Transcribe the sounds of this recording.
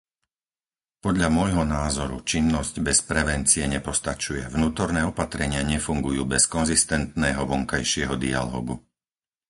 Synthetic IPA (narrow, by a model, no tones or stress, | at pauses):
pɔd̪ʎamʊɔjɦɔnaːzɔɾṵt͡ʃinːɔzcbɛspɾɛʋɛnt͡siɛɲɛpɔst̪at͡ʃujɛʋnuːt̪ɔɾnɛːɔpat̪ɾɛɲɪaɲɛfuŋɡujuːbɛskɔnzist̪ɛnt̪nɛːɦɔʋɔŋkajʃɪɛɦɔd̪ia̰lɔ̰ːɡṵ